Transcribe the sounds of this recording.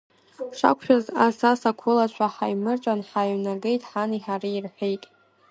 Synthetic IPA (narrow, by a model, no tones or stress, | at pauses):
ʂa̰kʷʰʃᶣazasasakʷʰʊlat͡ʃʷʰaħajmɨrt͡ʃʷʼanħaɥnaɡe̞jtʼħaniħaɾiirħʷᶣejtʼ